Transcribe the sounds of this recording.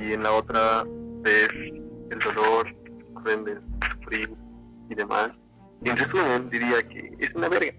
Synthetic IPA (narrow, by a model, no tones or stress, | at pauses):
ienlao̞t̪ɾaβeseld̪o̞lo̞ɾkɾend̪essu̥fɾil | iðe̞ma̰s | enresumẽnd̪iɾiakḛesunaβeɾɣa